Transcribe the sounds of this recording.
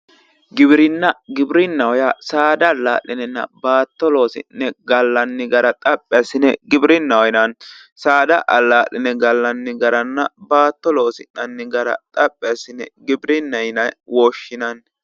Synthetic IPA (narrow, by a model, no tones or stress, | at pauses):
ɡɪbɾɪnːɐɡɪbɾɪnːɐwɔjasaːd̪ɐlːa̰ːlːɪnɛnːɐ̰baːt̪ːɔlo̞ːsɪ̰nːɛɡɐlːɐnːɪɡɐɾɐt̪ʼɐpʼːɛsɪnɛɡɪbɾɪnːɐwjnɐn | saːd̪ɐʔɐlːaːʔɪnɛɡɐlːɐnːɪɡɐɾɐnːɐbaːt̪ːɔlo̞ːsɪnːɐnːɪɡɐɾɐ̰t̪ʼɐpʼːɛsɪnɛɡɪbɾɪnːɐjnɐwɔʃːɪnɐn